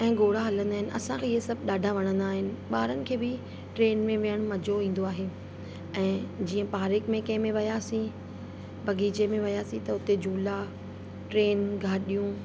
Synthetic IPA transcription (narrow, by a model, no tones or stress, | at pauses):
ɛ̃ːɡoːɽ̤aɦɐlə̃nd̪aːɦɪnɪ̆ʔɐsãkʰeːɪɦesɐbʱɗaːɖʱaʋɐɽ̃ə̃nd̪aːɦɪnɪ̆ɓaːɾənɪ̆kʰeːbɪ | ʈɾeːnmẽʋijəɽ̃ʊmɐd͡ʑʱoĩːn̆d̪oaːɦeː | ɛ̃ːd͡ʑiːə̃paːɾɪkmẽkɐ̃ɦɪ̃mẽʋɐjaːsĩ | bʱɐɡiːd͡ʑemẽʋɐjaːsĩt̪ɐʊt̪ed͡ʑʱuːla | ʈɾeːnɡʱaːɗijũ